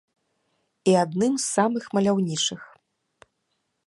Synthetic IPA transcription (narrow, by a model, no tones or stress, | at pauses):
iad̪nɨmzːamɨxmɐlʲawnʲit͡ʂɨx